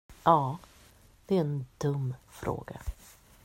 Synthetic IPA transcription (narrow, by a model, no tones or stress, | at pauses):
ʔɑː | d̪̥ɛæɛnd̪̥ɵmːfɾo̰ːɡa̰